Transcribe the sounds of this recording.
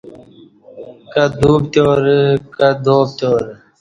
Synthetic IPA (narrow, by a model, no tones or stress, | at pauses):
kɐd̪uːbt̪oːɾkɐd̪ʱoːb̚t̪oːɾ